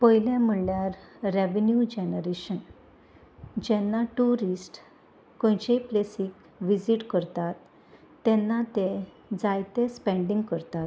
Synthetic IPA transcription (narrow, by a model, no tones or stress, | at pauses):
pəjljãm̤uɭljaɾːeʋnjud͡ʑenəɾeɕən | d͡ʑɛnːaʈuɾisʈ | kõjt͡ɕejplesik | ʋid͡ziʈkəɾt̪at̪ː | ɛ̃nːat̪ẽ | d͡zajt̪espɛ̃ɳɖĩŋɡkəɾt̪at̪